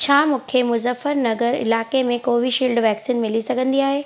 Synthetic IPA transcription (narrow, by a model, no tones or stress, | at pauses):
t͡ɕʰaːmũːkʰemʊzəfəɾnɐɡəɾɪ̰laːkemẽkoːʋiʃiːlɖʋɛːksiːnmɪlisɐɡʱə̃nd̪iaːɦeː